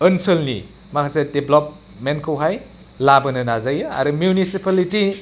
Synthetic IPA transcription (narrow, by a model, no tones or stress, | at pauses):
ənsəlnḭ | makʰasedeblɔp̚ | menkʰɯwɦaj | labɐnɯnazajɯa̰ɾumjunisipaliti